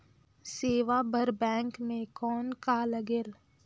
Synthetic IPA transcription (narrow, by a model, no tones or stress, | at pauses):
seːʋabʱɐɾbɛ̃ːŋkmẽkɔːnkaləɡeːl